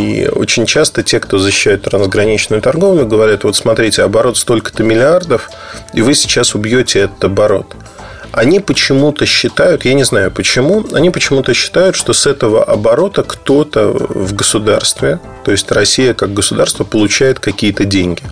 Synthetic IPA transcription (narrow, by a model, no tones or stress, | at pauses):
ḭo̰t͡ɕɪnʲt͡ɕast̪ətʲe̞kt̪o̞zəɕɪ̥ːɕːæjʊt̪t̪ːɾənzɡɾɐnʲit͡ɕnʊjʊt̪ɐrɡo̞vlʲʊɡəvɐɾʲat̪vo̞t̪smɐt̪ɾʲitʲɪɐbɐɾo̞t̪st̪o̞lʲkə̥t̪əmʲɪlʲɪard̪əf | ivɨsʲɪ̥t͡ɕasʊbjotʲɪɛt̪ə̥t̪ɐbɐɾo̞̰t̪ | ɐnʲipət͡ɕɪmut̪əɕːɪt̪ajʊt̪janʲɪznajʊpət͡ɕɪmuɐnʲipət͡ɕɪmut̪əɕːɪ̥t̪ajʊt̪ʂt̪o̞sɛt̪əvə̰ʔɐbɐɾo̞t̪əkt̪o̞t̪ə̰vɡəsʊd̪a̰rst̪vʲɪ | t̪o̞ɪsʲtʲrɐsʲijəkaɡ̚ɡəsʊd̪a̰rst̪vəpəlˠʊt͡ɕæjɪt̪kɐkʲijət̪ədʲenʲɡʲɪ